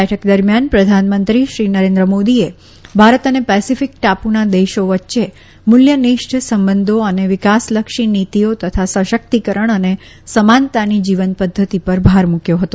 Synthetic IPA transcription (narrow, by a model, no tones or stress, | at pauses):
ɛʈʰəkd̪əɾmjanpɾəd̪ʱanmənt̪ɾiʃɾinəɾẽnd̪ɾəmod̪ie | bʱaɾət̪ənepɛsifik̚ʈapunad̪eʃoʋətːʃe | mʊljəniʃʈʰsəmbənd̪ʱoəneʋɪkasləkʃinit̪iot̪ət̪ʰasəʃək̚t̪ikəɾəɳ̃əne | səmant̪anid͡ʒiʋənpəd̪ʱːət̪ipəɾbʱaɾmukjoɦət̪o